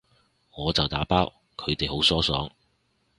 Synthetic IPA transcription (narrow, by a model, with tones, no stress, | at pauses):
ŋɔː˨˧t͡sɐ˨wt̪aː˨˥paː˥w | kʰɵ˨˧ɥt̪e˨jho˨˥wsɔː˥sɔː˨˥ŋ